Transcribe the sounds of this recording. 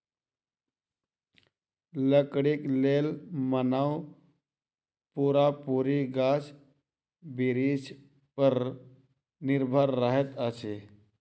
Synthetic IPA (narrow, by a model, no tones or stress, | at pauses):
ləkɽikleːlmənaw | puɾapuːɾiɡaːs | biɾid͡ʒ | pəɾ | nɪɾbʱəɾːəɦet̪əse